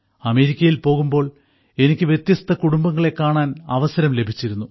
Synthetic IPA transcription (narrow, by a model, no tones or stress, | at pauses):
ɐme̞ːɾikʲːɐjilpo̞ːɣumbo̞ːɭ | e̞nikʲːɨʋjet̪jɐst̪ʰɐkuɽumbɐŋːɐɭe̞kːaːɳaːnɐʋɐsɐɾɐmle̞bʱit͡ɕːiɾunːu